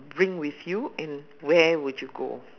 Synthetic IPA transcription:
bɹĩŋwiθjuɛ̃n | wɛwudjuɡo̰

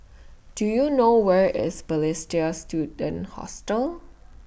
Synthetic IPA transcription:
d̥ujunowɛɹɪ̰sbəlɪstiəstjudə̃nhɔ̰stəl

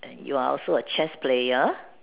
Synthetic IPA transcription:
ʔɛ̰̃njṵaɔ̰lsoət͡ʃɛsplejə

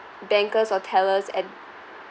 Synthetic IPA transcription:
bɛ̃ŋkəsɔtʰɛləsɛ̃t̚

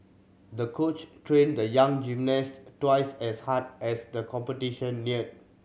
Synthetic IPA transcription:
dəkʰot͡ʃtɹẽndəjãŋd͡ʒimnɛstwaɪsɛshat̚ʔɛsdəkʰɔ̃mpətiʃə̃nːiət̚

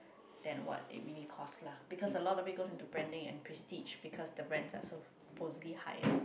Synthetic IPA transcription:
d̥ɛ̃nwɔ̰t̚ɪ̰t̚mĩnikʰɔslabikʰɔsəlɔtɔpiɡosĩntubɹɛ̃ndɪ̃ŋɛ̰̃npʰɹɛstid͡ʒbikʰɔsdəbɹɛ̃nsa̰so | pʰosliha̰jə̰

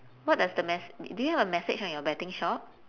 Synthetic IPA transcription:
wɔt̚dasdəmɛsdujuhɛvəmɛsɪ̰t͡ʃɔ̃njɔbɛtɪ̃ŋʃɔp̚

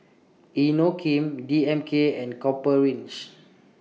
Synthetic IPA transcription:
inokʰĩmdiɛ̃mkʰeɛ̃nkɔpəɹĩnt͡ʃ

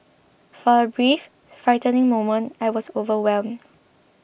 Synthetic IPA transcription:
fɔəbɹif | fɹaɪtənɪ̃ŋmõmə̃ntajwɔsovəwɛlmd

